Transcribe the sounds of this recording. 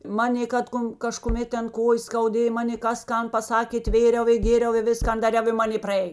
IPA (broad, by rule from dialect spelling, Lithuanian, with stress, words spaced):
ˈmɑːnʲeː ˈkɐt ˌkoːn kɐʃkʊˈmʲeːt ˈtʲɛn ˈkoːjeːs skɐʊˈdʲeːj ˈmɑːnʲeː ˈkɐs ˈkɐn pɐˈsɑːkʲeː ˈtʲʋʲeːrʲɛʊ ɪ ˈɡʲeːrʲɛʊ ɪ ˈʋʲɪskɐn dɐˈrʲɛʊ ɪ ˈmɑːnʲeː prɐˈeːj